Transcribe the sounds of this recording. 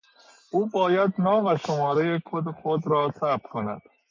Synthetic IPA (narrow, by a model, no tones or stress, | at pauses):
uːbɒːjæd̪nɒːvæʃomɒːɾejekʰod̪exod̪ɾɒːsæbkʰonæ̰d̪̥